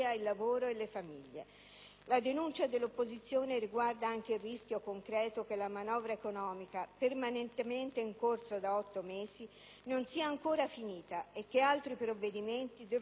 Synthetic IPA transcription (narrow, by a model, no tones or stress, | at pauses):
ailːavoːɾoelːefamiʎːḛ | lad̪enunt͡ʃad̪elːopːozit̪sːjoːneɾiɡward̪aaŋk̟eilrːisk̟jokoŋkɾɛːt̪ok̟elːamanɔːvɾaekonɔːmikapermanent̪ement̪eiŋkorsod̪aɔt̪ːomeːzi | nonsiːaːŋkoːɾafiniːt̪aek̟ːealt̪ɾipɾovːed̪iment̪id̪ɛ